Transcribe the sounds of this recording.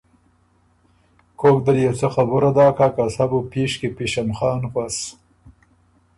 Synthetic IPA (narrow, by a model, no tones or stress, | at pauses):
kʰoːk̚d̪əljawt͡səxabʊɾad̪ɑːkakasabupiʂkipiʃamxɑːnxwas